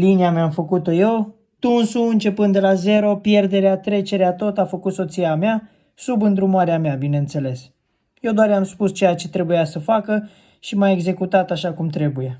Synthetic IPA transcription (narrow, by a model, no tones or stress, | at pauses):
liniameamfəkut̪o̞jew | t̪unsuɨnt͡ʃe̞pɨnd̪elaze̞ɾo̞pje̞rd̪e̞ɾeat̪ɾe̞t͡ʃe̞ɾeat̪o̞t̪afəkut̪so̞t̪siamea | subɨnd̪ɾumoaɾeameabineɨnt̪se̞le̞s | je̞wd̪oarjamspust͡ʃe̞jat͡ʃe̞t̪ɾe̞bujasəfakə | ʃimae̞ɡze̞kut̪at̪aʃakumt̪ɾe̞buje̞